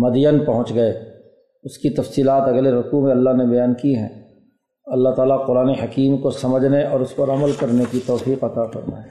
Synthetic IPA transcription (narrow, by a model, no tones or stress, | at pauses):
mɐd̪jənpɐɦʊ̃t͡ʃɡɐe | ʊskit̪ɐfsiːlaːt̪ɐɡleɾɐkumẽɐlːaɦnebɐjaːnkiɦɛ̰̃ː | ɐlːaɦt̪aːlaqʊɾaːneɦɐkiːmkosɐməd͡ʒʱneʔɔːɾʊspɐɾɐməlkɐɾnekit̪ɔːfiːqɐt̪aːfɐ̰ɾna̰e